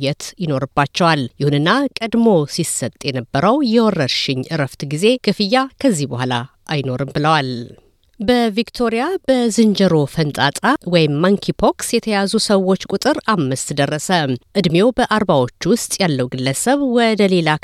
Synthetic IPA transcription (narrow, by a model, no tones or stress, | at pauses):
ɛt̪jɪno̞ɾɨbːat͡ʃːɛwaljɪhunɨnːakʼəd̪mo̞sisət̪ʼjɛnəbːəɾəwjɛwɔrːəɾʃɪɲʔɨɾəft̪ɡize̞kʰɨfɨjːakʰəzːihbəhʷala | ʔajno̞ɾɨmbɨləwal | bəvikt̪ʰo̞ɾijabəzɨnd͡ʒəɾo̞fənt̪ʼat̪ʼawɔjɪmːaŋkʰipʰoksjɛt̪ʰəjazusəwːo̞t͡ʃːkʼut̪ʼɨɾamːɨst̪ʰd̪ərːəsəʔɨd̪mjo̞bəʔaɾbawo̞t͡ʃːwʊst̪ʼjalːəwɡɨlːəsəβwɔd̪əle̞la